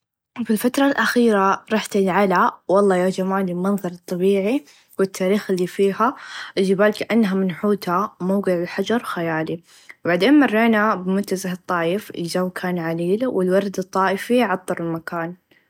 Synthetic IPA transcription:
filfat̪ɾˤɑlʔaxiːɾaɾˤɑħt̪ɪlʕalawɑlˤːɑːjad͡ʒamaːlɪlmɑnðˤɑɾˤɨt̪ˤːɑbiːʕi | wɪt̪ʰːaːɾiːxɪlːiːfiːhaʔɪld͡ʒɪbaːlkaʔanːɦamɪnħuːt̪hamawɡɪʕɪlħad͡ʒɑɾˤxajaːli | baʕd̪eːnmɑrˤːeːnabɪmʊnt̪azahɨt̪ˤːɑːjɪfɪ̰ld͡ʒawːkʰaːnʕaliːlwɪlwɑɾˤd̪ɨt̪ˤːɑːʔɪfiʕɑt̪ˤːɑɾˤɪlmakaːn

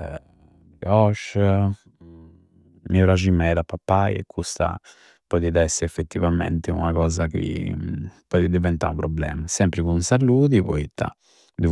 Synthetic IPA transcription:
ɔʃ | miɔɾad͡ʒimɛðapːapːajɛ̰kʰːust̪a̰ | pɔðiðaɛsːɛfːet̪ːivamɛ̰nt̪eṵnakɔːzak̟ḭ | pɔːðid̪ivɛnt̪a̰upɾɔblɛ̰ːmasɛmpɾikunsaluːðipɔ̰it̪ːa̰ | d̪u

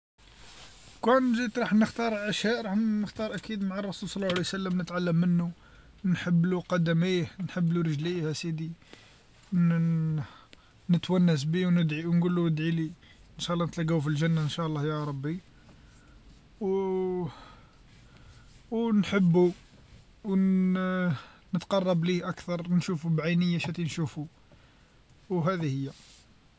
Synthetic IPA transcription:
kænʒit̪ɾˤɑħnəxt̪ɑɾˤʔæʃjæʔɾˤɑħəxt̪ɑɾˤʔækid̪maʕɑrˤːɑsulsˤɑlˤːɑwʕalijsəlːəmnət̪ʕalːəmːənːu | nħəbːluqɑd̪æmihnħəbːluɾəʒlihæsid̪i | nət̪wænːəs̬biwnəd̪ʕiwnɡulːuəd̪ʕili | ənʃæʔlːɑnət̪læɡæwf̬ilʒənːaʔənʃælˤːɑhjɑɾˤɑbːi | w | wnħəbːu | w | nət̪qɑrˤːɑbliʔækt̪ɑɾˤnʃufubʕajnəjːaʃæt̪inʃufu | wɦæd̪ihəjːæ

